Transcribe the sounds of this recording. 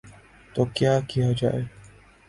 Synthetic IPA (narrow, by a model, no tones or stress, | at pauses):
t̪okjaːkijad͡ʒa̰ːe